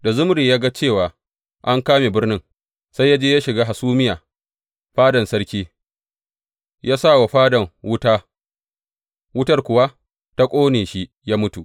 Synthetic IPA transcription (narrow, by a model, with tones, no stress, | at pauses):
da˨zʊ˦m˦ɾi˨ja˦ɡa˦t͡ʃeː˦˨waː˨ | ʔa˦ŋkaː˦meː˨bɪ˦rnɪ˦ŋ | sa˦jːa˦d͡ʒeː˦ja˦ʃɪ˨ɡaː˦ɦa˨suː˦mɪ˦jaː˨ | ɸaː˦dɐ˨nsɐ˦ɽkʲiː˦ | jʔaː˦sa˦˨wa˨ɸaː˦dɐ˨ŋwʊ˦taː˦ | wʊ˦tɐ˦rkʷʊ˨wa˦ | ta˦kʷʼoː˦neː˨ʃi˦ | jaː˦mʊ˦tu˨ʔ